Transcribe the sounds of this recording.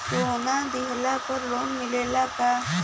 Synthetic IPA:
t̪oʊnãd̪iɦəlaːpəɾloːnmɪleːlaːkaː

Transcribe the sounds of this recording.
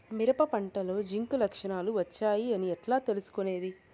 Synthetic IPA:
miɾɐpɐpɐɳʈɐlo̞ːd͡ʒiŋkulɐkʂɐɳaːluʋɐt͡ʃːaːjiɐniɛʈlaːt̪e̞lusu̥kone̞ːd̪i

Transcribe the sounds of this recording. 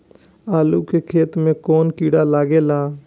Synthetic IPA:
aːluːkeːkʰeːt̪mẽːkoːnkiːɽaːlaːɡeːlaː

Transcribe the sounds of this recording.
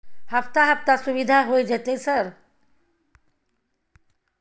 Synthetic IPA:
haft̪aɦəp̚t̪asuʋid̪ʱaɦoid͡ʑat̪esəɾ

